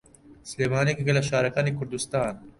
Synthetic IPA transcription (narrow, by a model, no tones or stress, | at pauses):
sleːmaːniekiɡɐlaʃaːɾɐkaːneːkʰʊɾd̪ust̪aːn